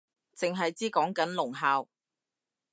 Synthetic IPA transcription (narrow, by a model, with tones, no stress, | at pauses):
t͡sɪ˨ŋɦɐ˨jt͡siː˥kɔː˨˥ŋkɐ˨˥nlʊ˨˩ŋɦaː˨w